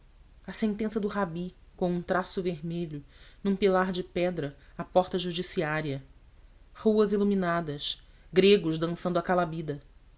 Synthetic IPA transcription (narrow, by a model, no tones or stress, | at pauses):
ɐsẽnt̪ẽsɐd̪ʊɦabikõũt̪ɾasʊveɦmeʎʊnũpilaɾd͡ʒɪpɛd̪ɾɐapɔɾt̪ɐʒud͡ʒisiaɾiɐ | huɐziluminad̪ɐs | ɡɾeɡʊzd̪ɐ̃sɐ̃nd̪ʊakalabid̪ɐ